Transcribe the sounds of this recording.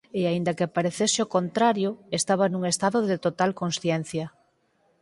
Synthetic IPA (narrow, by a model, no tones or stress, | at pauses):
eaind̪ɐkepaɾeθeseokont̪ɾaɾjoest̪aβanuŋest̪aðoðɪt̪ot̪alkõnsθjɛn̟θjɐ